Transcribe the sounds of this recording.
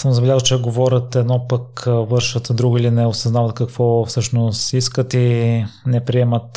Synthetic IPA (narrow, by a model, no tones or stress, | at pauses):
səmzɐbɛlʲazt͡ʃɛɡovɔɾʲət̪ɛd̪nɔpəkvɤɾʃət̪d̪ɾuɡʊilinɛosɐznavət̪kɐkvɔfsɤʃnost̪iskət̪inɛpɾiɛmət̪